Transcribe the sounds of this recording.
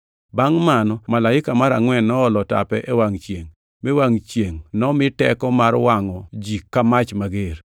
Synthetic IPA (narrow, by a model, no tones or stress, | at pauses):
baŋmanɔmalaɪkamaɾa̰ŋwɛnːɔɔlɔta̰pɛʔewaŋt͡ʃjeŋ | mewaŋt͡ʃjeŋnɔmɪtɛ̰kɔmarwaŋɔd͡ʒikːamat͡ʃmaɡer